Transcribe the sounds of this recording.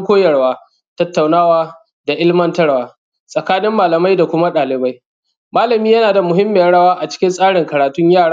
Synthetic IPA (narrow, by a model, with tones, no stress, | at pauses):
kʷoː˦jɐ˨ɽwaː˦ | tɐ˦tːa˨wnaː˦waː˦ | da˨ʔɪ˦lmɐ˦ntɐ˦ɽwaː˨ | sʼɐ˨kaː˦nɪ˦mːaː˨lɐ˨ma˦jda˨kʷʊ˦ma˦ɗaː˨lɪ˨ba˦j | maː˦lɐ˨miː˦jɐ˦naː˨da˨mʊ˨ɦɪ˦mːeː˨˦ɽɐ˦waː˦ʔa˨t͡ʃɪ̥˦kʲɪ˦nsʼaː˦ɽɪ˨ŋkɐ˨ɾaː˨tʊ˦ɲjaː˦˨ɽaː˦